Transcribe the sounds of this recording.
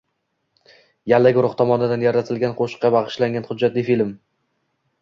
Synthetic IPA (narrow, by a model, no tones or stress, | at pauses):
jalːaɡʲʊɾʊχt̪ʰɒmɒnɪd̪anjaɾat̪ʰɪlɡʲanqʰoʃɨ̥qːɑbɑʁɨʃlaŋʲɡʲanχʊd͡ʒːat̪lɪjfilm